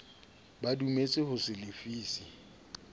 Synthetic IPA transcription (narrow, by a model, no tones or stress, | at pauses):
badumet͡sʼɪhʊsɪlɪfiːsi